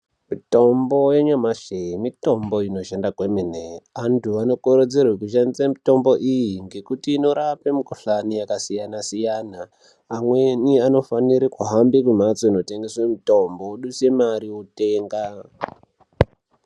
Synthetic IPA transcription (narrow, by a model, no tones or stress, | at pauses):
mito̞mbo̞je̞ɲamaʃeimito̞mbo̞ino̞ʃendakwemineantʰuano̞koɾed͡zerwek̬uʃ̬anit͡samito̞mbo̞ʔijiŋɡe̞kutiːno̞ɾapemikoɬanijakasijanasijanaː | mwe̞niano̞faniɾikuɦambikum̤at͡soino̞te̞ŋɡeswemito̞mboɗuse̞maɾiwote̞ːŋɡa